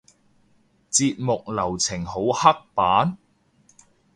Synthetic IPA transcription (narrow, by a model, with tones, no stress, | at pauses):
t͡siː˧t̚mʊ˨k̚lɐ˨˩wt͡sʰɪ˨˩ŋho˨˥whɐ˥k̚paː˨˥n